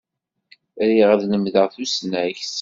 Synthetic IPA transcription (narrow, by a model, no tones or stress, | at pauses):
ɾiʁæðnəmðəʁθusnæçs